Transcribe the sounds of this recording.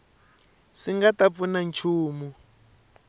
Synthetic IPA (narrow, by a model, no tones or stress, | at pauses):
siŋɡatap̪funant͡ʃʰuːmu